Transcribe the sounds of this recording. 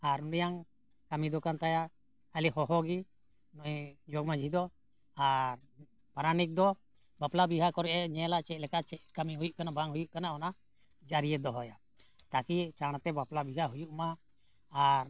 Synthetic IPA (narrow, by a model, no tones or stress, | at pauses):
aɾunijaŋ | kamid̪ɔkant̪aja | əliɦɔɦɔɡi | nɔjd͡ʒɔɡmad͡ʒʱid̪ɔ | aɾ | paɾanik̚d̪ɔ | baplabiɦakɔɾɛʔɛɲɛlaʔt͡ʃɛt̪̚ˀlɛkat͡ʃɛkamiɦujuʔkanabaŋɦujuʔkanaɔna | d͡ʒaɾijɛd̪ɔɦɔja | t̪akit͡ʃaɽ̃at̪ɛbaplabiɦaɦujuʔmaː | ɾ